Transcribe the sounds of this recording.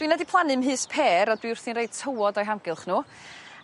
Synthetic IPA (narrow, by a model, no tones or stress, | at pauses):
d̥winɛdipʰlˠanɨmɦɨːspʰeːɾɔdwiʊrθninɾejd̥̚tʰəwɔdɔjɦamɡɪlˠχnuː